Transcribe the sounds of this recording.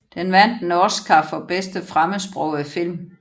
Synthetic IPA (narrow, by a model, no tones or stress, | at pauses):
d̥enʋæn̰d̥nɒskʰɑfɒ̽b̥esd̥əfʁaməsb̥ʁɔʊ̰æfil̰m